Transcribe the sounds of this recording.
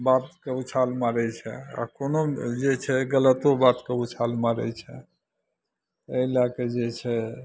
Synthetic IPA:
bat̪keut͡ʃʰalmaɾɛt͡ʃʰɛ̰a̰konod͡ʒet͡ʃʰɛɡələt̪obat̪keut͡ʃʰalmaɾɛ̰t͡ʃʰɛ̰ | əilaked͡ʒet͡ʃʰɛ

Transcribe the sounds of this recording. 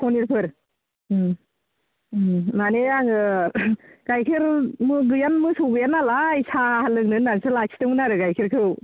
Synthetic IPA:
kʰɔniɾpʰɯɾ | naneaŋɯ | ɡ̥ajkʰɯɾmɯɡɯjanmɯsɯwbɯjanalaisahalɯk̚nɯnːansɯlasʰi̥tɯmɯnaɾɯɡajkʰiɾkʰɯw

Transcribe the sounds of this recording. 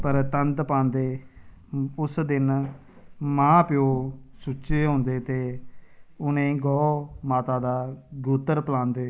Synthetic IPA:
pəɾt̪ənt̪pãːnd̪eː | ʊsd̪ɪn | mãːpɪjoːsuːʃeːɦõːnd̪eːt̪eː | ʊnẽːɡɔːmaːt̪aːd̪aːɡɾuːt̪əɾpəlãːnd̪eː

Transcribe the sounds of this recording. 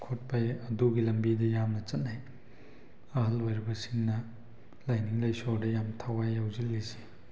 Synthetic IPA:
kʰot̚pajɐduɡilɐmbidɐjamnɐt͡ʃɐt̚naj | ɐɦɐlojɾibɐsiŋnɐ | lajniŋlɐjsoɾdɐjamtʰawajːawzilːisi̥

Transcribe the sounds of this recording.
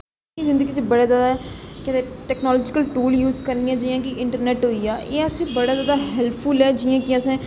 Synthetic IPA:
iːzɪ̃nd̪əɡiːt͡ʃebəɽaːzaːd̪aːɦɛkɪt̪eʈɛːknɔːlɔːd͡ʒɪkəlʈuːljuːzkəɾnɪjãːd͡ʒiːjãːkɪʔɪɳʈəɾneːʈɦoːiːaːʔeːəsẽːbəɽaːzaːd̪aːɦɛlpʰʊlɛːd͡ʒiãːkɪəsɛ̃ː

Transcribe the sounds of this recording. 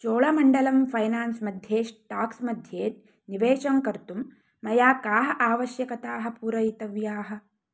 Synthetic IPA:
t͡ʃoːɭɐmɐɳɖɐlɐmfʰɐjnaːnsmɐd̪ʱjeːʂʈaːksmɐd̪ʱjeːt̪ | niʋeːʃɐmkɐɾt̪umː | ɐjaːkaːɦɐ̆ʔaːʋɐʃjɐkɐt̪aːɦɐ̆puːɾɐjit̪ɐʋjaːɦɐ̆

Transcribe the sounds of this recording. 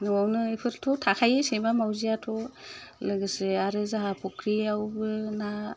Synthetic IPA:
nɔawnɯepʰɯɾtʰɔtʰakʰajesemamawzijatʰɔlɯɡɯsɯaɾɯzaɦapʰɔkʰɾiawbɯna

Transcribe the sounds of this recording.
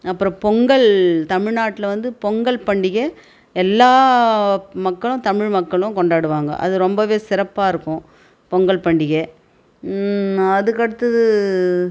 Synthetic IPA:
ɐpːɯɾɔ̃pɔŋɡɐɭt̪ɐmɪɻnaːʈːɪlɐʋɐnd̪ɯpɔŋɡɐɭpɐɳɖɪɣe | ɛlːaː | mɐkːɐɭʊ̃t̪ɐmɪɻmɐkːɐɭʊ̃kɔɳɖaːɽɯʋaːŋɡɐ̰ʔɐ̰ðɯɾɔmbɐʋeːsɪɾɐpːaːɪɾɯkːʊ̃ | pɔŋɡɐɭpɐɳɖɪɣe | ɐðɯkːɐɽɯt̪ːɐðɯ

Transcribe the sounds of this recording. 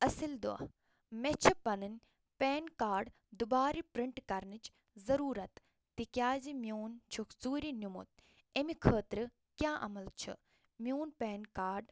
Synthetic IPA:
ɐsild̪uɐ̰ | met͡ʃʰipɐnɨnʲ | peːnkaːɾɖ | d̪ubaːɾipɾiɳʈkɐɾnɨt͡ʃ | zɐɾuːɾɐt̪ː | ikjaːzimʲjoːnt͡ʃʰukzuːɾinumṵt̪̚ | emikʰəːt̪ɾɨ | kjãːʔɐ̰mɐlt͡ʃʰɨ̰ | mjoːnpeːnkaːɾɖ

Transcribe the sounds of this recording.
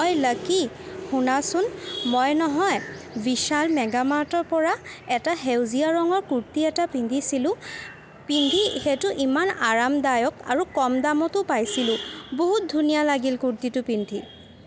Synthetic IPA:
ɔjləki | xunasʊnmɔjnɔɦɔj | biʃalmɛɡamatɔɹpɔɹaɛtaɦewziaɹɔŋɔɹkuɹtiɛtapindʱisilʊ̃ | pindʱixetʊʔimanaɹamdajɔka̰ɹukɔmdamɔtʊpajsilʊ̃boɦut̚dʱunijalaɡilkuɹtitʊpindʱi

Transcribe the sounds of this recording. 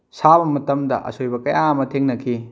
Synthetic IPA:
sabɐmɐtɐmdɐ̰ʔɐ̰sʰojbɐkɐjaɐmɐtʰeŋnɐkʰi

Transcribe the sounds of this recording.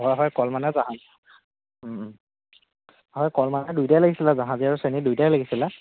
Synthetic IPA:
ɦɔjɦɔjkɔlmanɛzaɦãzi | ɦɔjkɔlmanɛdujtajlaɡisilɛzaɦãziaɹusenidujtajlaɡisilɛ

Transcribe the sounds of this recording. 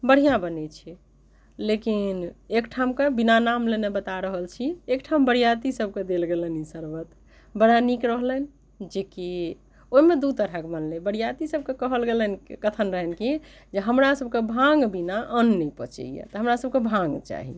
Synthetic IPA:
bəɽ̤ijãbənɛt͡ʃʰɛ | lekinekʈʰamkebinanamlenebət̪aɾəɦəlt͡ʃʰiekʈʰambəɽ̤ijat̪isəb̚ked̪elɡelənisəɾʋət̪ | bəɽanikɾəɦlən | d͡ʒeki | oimed̪ut̪əɾɦəkbənlebəɽ̤ijat̪isəb̚kekəɦəlɡelənkət̪ʰənɾəɦɛnkid͡ʒeɦəmɾasəb̚kebʱãŋɡbinaʔənːɛpə̰t͡ʃɛ̰ijḛt̪əɦəmɾasəb̚kebʱãŋɡt͡ʃa̰ɦḭ

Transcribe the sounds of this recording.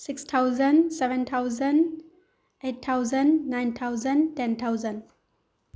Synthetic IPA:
sikstʰawzənsɛʋɛ̃nt̪ʰawzən | et̚t̪ʰːawzənnajnt̪ʰawzə̃ntɛnt̪ʰawzə̃n

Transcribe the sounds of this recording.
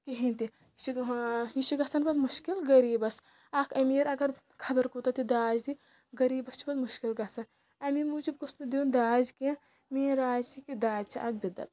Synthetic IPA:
kiɦint̪i | t͡ʃiit͡ʃiɡɐsɐnbɐd̪muʃkilɡɐɾiːbɐs | akʰɐmiːɾɐɡɐɾ | kʰɐbɐɾkut̪ɐt̪id̪aːd͡ʒt̪i | ɡɐɾiːbɐst͡ʃʰi̥bɐd̪muʃkilɡɐsɐn | ɐmimuːd͡ʒibkusnud̪iund̪aːd͡ʒke | miːɾaːd͡ʒt͡ʃikid̪aːd͡ʒt͡ʃʰiʔak̚bid̪ɐ̰t̪

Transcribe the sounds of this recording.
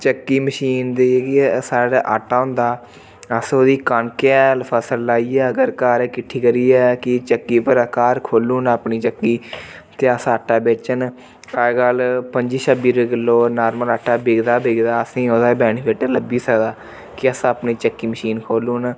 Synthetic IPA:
t͡ʃəkːiːməʃiːnd̪iːkisaːɽʔa̰ːʈːaːʊ̃nd̪aː | əsoːd̪iːkaɳkeɛːlpʰəsəlːaːiːɛːəɡəɾkaːɾɛːkɪʈʰiːkəɾiːɛːkɪt͡ʃəkːiːpəɾəkaːɾkʰoːluːnaːpniːt͡ʃəkːiː | t̪eːəsaːʈʰːaːbeːt͡ʃən | əɡəlpəɲd͡ʒiːʃəbiːɾɪɡəlːoːnaːɾmələʈʰːaːbeːɡd̪aːbeːɡd̪aːəsĩːoːd̪aːbɛːɽ̃iːbeːʈeːləbiːsəd̪aː | kɪəsaːpniːt͡ʃəkːiːməʃiːnkʰoːluːn

